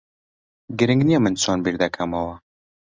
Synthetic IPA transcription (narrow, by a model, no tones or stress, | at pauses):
ɡɨɾɨŋɡnijɛmɨnt͡sʰoːnbiɾd̪ɐkʰɐmɐwɐ